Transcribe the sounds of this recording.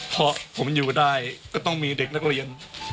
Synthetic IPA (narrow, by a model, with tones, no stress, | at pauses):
pʰɔ˧˥pʰo˩˦mjuː˨˩daː˥˩jkɔː˥˩t̪ɔ˥˩ŋmiː˧de˨˩k̚na˥k̚ɾi˧ən